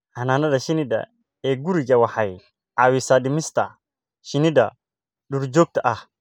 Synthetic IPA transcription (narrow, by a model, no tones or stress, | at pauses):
ʔɐnaːnɐdɐʃɪnɪdɐ̰ | ɛɡuɾd͡ʒɐwaħaj | ʔawɪsadɪmɪst̪a̰ | ʃɪnɪd̪ɐ̰ | ɗʊɾd͡ʒoːk̚t̪ɐʔɐh